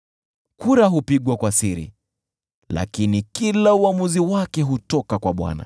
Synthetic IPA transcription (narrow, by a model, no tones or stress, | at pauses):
kuɾaɦupiɠwakwasiɾḭ | la̰kinikilauamuziwakɛɦutɔkakwaɓwa̰na̰